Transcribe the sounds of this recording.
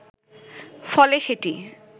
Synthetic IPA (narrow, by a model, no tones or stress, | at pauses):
fɔleʃeʈi